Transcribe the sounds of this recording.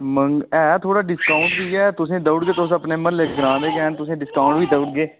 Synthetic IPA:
məŋɡɛːt̪ʰoːɽaːɖɪskaːʊɳʈ̚biːɛːt̪ʊsẽːd̪əʊɽɡeːt̪os̬əpneːməlleːkɡɾãːd̪eːkɛːnt̪ʊsẽːɖɪskaːɳʈʋiːd̪əʊʈɡeː

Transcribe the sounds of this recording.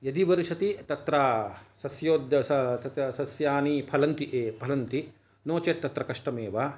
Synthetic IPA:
jɐd̪iʋɐɾiʃɐt̪it̪ɐt̪ɾɐsɐsjoːd̪ɐsɐt̪ɐt̪ɐsɐsjaːnipʰɐlɐnt̪iʔeːpʰɐlɐnt̪i | noːt͡ʃeːt̪ːɐt̪ɾɐkɐʂʈɐmeːʋa

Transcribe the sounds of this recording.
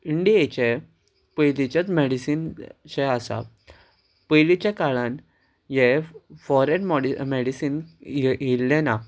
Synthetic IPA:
iɳɖiet͡ɕɛ | pəjlit͡ɕat͡smɛɽisinɕɛasa̰ | pəjlit͡ɕakaɭãn | jɛfɔɾeʈmɔɽimɛɽisiːnɦilːɛna

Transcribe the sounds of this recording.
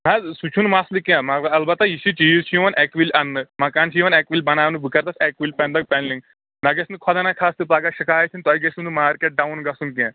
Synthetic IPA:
ɦãsut͡ʃʰunmaslikjãmɐɐlbɐt̪ːajiʃit͡ʃizt͡ʃʰijiʋɐnʔɛkʋilʲʔɐnːɨmɐkaːnt͡ʃʰijiʋɐnɛkʋilʲbɐnaːʋnɨbɨkɐɾt̪ɐsɛkʋilʲpɛ̃nd̪ɐk̚pɛnliŋ | nɐɡesnɨkʰɔd̪anakʰast̪ɨpaɡaʃɐkaːjɐt͡ʃ̪ʲʰint̪ɔiɡesunɨmaːɾkeʈ̚ɖawnɡɐsunkiãː

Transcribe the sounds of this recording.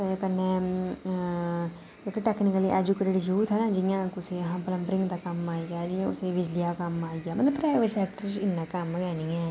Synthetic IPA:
kɐɾne | keʈeːknɪkəliʔɛd͡ʒukeʈeɖjuːt̪ɦɛnad͡ʒɪjãkʊseɦãpələ̃mbɾɪ̃ŋɡd̪akɐmːaːiɡad͡ʒɪjãʊ̰seʋɪd͡ʒɖijakɐmːaːiɡaːmɐt̪ləbpɾaːɪʋeʈsɛːk̚ʈəɾd͡ʒɪnːakaməɡɛːniɛ̃ː

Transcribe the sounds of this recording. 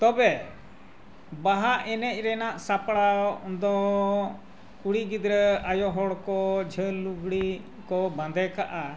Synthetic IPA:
t̪ɔbɛ | baɦaʔɛnɛc̚ˀɾɛnaʔsapɽaʔd̪ɔ | kuɽiɡid̪ɾəajɔɦɔɽkɔd͡ʒʱəluɡɽi | kɔbãd̪ɛkaʔa

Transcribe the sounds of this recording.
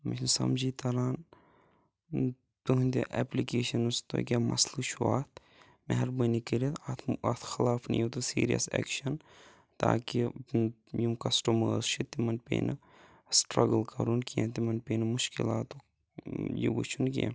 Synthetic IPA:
minsɐ̰md͡ʒiːt̪ɐɾaːn | t̪uɦũnd̪iʔɛplikeːʃɐnust̪o̰kʲamɐ̰slɨʃua̰ːt̪ʰ | mɛɦɐɾbɐnikiɾit̪ɐt̪ʰɐt̪ʰxɪlaːfnḭjot̪usiːɾijɐ̰sɛ̰ːkʃɐn | t̪a̰ːki | jumkɐsʈɐməːzt͡ʃʰit̪imɐnpḛnɐ | sʈɾɐɡəlkɐɾunkiẽt̪̬imɐnpeːnɐmuʃkilaːt̪u | jḭʋut͡ʃʰunkḭɛ̰

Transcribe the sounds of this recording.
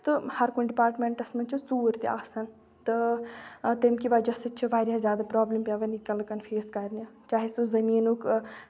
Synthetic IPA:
t̪ɨhɐɾkunɖipaːɾʈmeɳʈɐsmɐnt͡ʃʰut͡suːɾt̪ia̰ːsɐn | t̪ɨ | t̪emkiʋaːd͡ʒɐsɨt͡ʃʰiʋaːɾʲazjaːd̪apɾaːblɐmpʲjaːʋɐnikɐlkɐnfʰeːskɐɾnʲat͡ʃaːɦisuzɐmiːnuk

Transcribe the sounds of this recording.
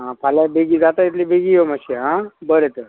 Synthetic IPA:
ɦãpʰalabeɡid͡zat̪ait̪libeɡijoməseɦãbəɾet̪ə

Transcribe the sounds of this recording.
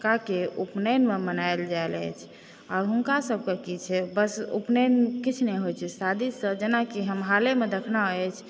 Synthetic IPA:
kakeupnənmemənaeld͡ʒaelə̰t͡ʃʰ | ɔːɾɦunkasəb̚ʱkekit͡ʃʰɛbəsṵpnənkit͡ʃʰnɛɦojt͡ʃʰɛsad̪ʱisəd͡ʒenakiɦəmɦalemed̪ekʰnaɛt͡ʃʰ

